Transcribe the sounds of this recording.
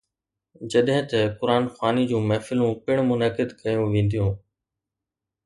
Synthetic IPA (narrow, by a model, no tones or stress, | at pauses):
d͡ʑɐɗɦɪ̃t̪ɐkʊɾaːnxwaːnid͡ʑũːmɛːfɪlũːpɪɽ̃mʊnəkɪd̪kɐjũʋẽːn̆d̪ijũː